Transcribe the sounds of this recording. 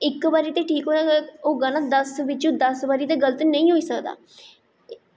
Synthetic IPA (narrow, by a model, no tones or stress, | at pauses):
ɪkʋaːɾiːt̪eːʈʰiːkɦoːnaːoːɡãːnãːd̪əsʋɪt͡ʃũːd̪əsʋaːɾiːt̪eːɡələt̪nəĩːɦoːiːsəkd̪a̰ː